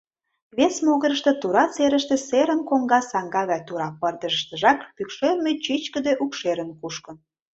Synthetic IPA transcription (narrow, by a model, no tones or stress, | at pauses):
βesmoɣəɾəʃt̪et̪uɾɑt͡seɾəʃt̪ĕseɾə̆nkoŋɡɑsɑŋɡɑɣɑjt̪uɾɑpərd̪ə̆ʒəʃt̪ə̆ʒɑkpykʃermet͡ɕit͡ɕkə̆d̪eʔukʃeɾənkuʃkə̆n